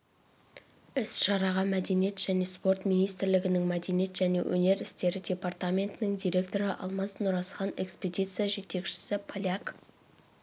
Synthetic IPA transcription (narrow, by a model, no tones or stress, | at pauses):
ɪsʃɑɾɑʁɑmæd̪e̞nije̞t̪ʒ̥æne̞spo̞rt̪mijnijst̪ɪɾlɪɡʲɪnɪŋmæd̪e̞nije̞t̪ʒ̥æne̞̰wʔɵ̰ne̞ɾɪst̪e̞ɾɪdʲe̞part̪amʲe̞nt̪ɪnɪŋd̪ʲijɾʲe̞kt̪o̞ɾɪʔɑ̰lˠmɑsnʊɾɑsχɑne̞kspʲe̞d̪ʲijt̪sɨjaʒe̞t̪e̞kʃɪ̥sɪpʰolʲak